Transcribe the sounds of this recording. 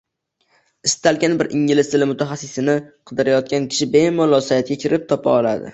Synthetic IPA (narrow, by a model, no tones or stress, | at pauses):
ɪst̪ʰalɡʲanbɪɾʔɪŋlɪst̪ɪlɪmʊt̪ʰaχasːɪsɪnɪqʰɨd̪ɪɾajɒt̪̚kʲankʲʰɪ̥ʃɪbemɒlˠɒsajat̪̚ɡʲakʲʰɪɾɪp̚t̪ʰɒpʰa̰ɒlˠa̰d̪ɪ̰